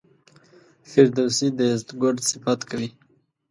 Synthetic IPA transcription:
fɪɾd̪awsid̪əɪzt̪ɡʊɖsɪfat̪kʰawi

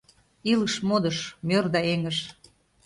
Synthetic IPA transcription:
iləʃmod̪ɤʃmørd̪ɑeŋəʃ

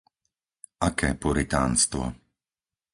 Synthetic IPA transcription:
ʔakɛːpuɾit̪aːnst̪ʋɔ̰

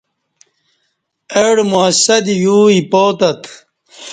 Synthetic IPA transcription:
eɽmuɐsɐd̪ijuːipoːt̪ɐt̪ʰ

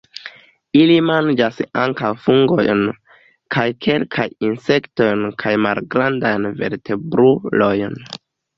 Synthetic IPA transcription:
ilimand͡ʒasa̰ŋkawfuŋɡo̞̰jn | kʰajkʰe̞lkʰajinse̞kto̞jnkʰajmalɡɾandajnve̞̰ɾtʰe̞bɾulo̞jn

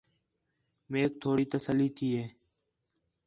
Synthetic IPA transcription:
meːk̚t̪ʰoːɽiːt̪əsəlːiːt̪ʰiːɦeː

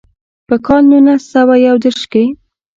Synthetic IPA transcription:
pəkɑlnunasawajawd̪əɾʃke

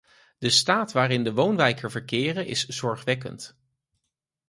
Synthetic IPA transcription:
d̥əstaːtʋaːɾɪndəʋownʋɛjkəɹvəɹkɪːrənʔɪ̰sz̥ɔɹχʋɛkə̰nt

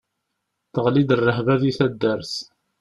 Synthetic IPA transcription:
θəʁlid̪ərˤːəɦvæðiθæd̪ːəɾθ

